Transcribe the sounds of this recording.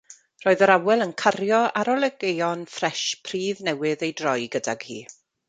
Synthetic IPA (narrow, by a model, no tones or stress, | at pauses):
rɔːɨðəɾawɛlˠənkʰaɾjɔaɾɔlˠɛɡejɔnfrɛʃpʰriːðnɛwɨðejdrɔjɡədaɡ̥hḭː